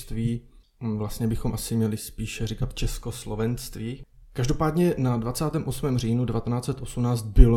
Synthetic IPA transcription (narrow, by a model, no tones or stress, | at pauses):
st̪viː | vlast̪ɲɛbɪxo̞mʔasɪmɲɛlɪspiːʃɛrikat̪t͡ʃɛsko̞slo̞vɛnst̪viː | kaʒdo̞paːdɲɛnadvat͡saːt̪ɛːmʔo̞smɛːmr̝iːnudɛvat̪ɛnaːt͡sɛt̪ʔo̞sumnaːt͡st̪̚bɪlo